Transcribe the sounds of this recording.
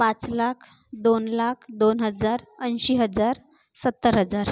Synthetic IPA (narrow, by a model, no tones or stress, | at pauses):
pãt͡slakʰ | d̪onlakʰd̪onɦəd͡zaɾənɕiɦəd͡zaɾ | sət̪ːəɾɦəd͡zaɾ